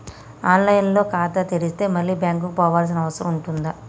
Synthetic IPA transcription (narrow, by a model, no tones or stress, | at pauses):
aːnlɐjnlo̞ːkaːt̪ɐt̪eɽist̪e̞ːmɐlːiːbjaːŋk̬ukupɔːʋaːls̬inɐʋɐsɐɾɐ̰muɳʈund̪ɐ